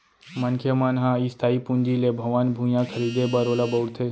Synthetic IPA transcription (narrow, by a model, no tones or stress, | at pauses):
mənkʰjemaːnɦãist̪ʰaːipũnd͡ʒilebʱɐʋanbʱũjãkʰəɾiːd̪ebəɾoːlabəwɽt̪ʰe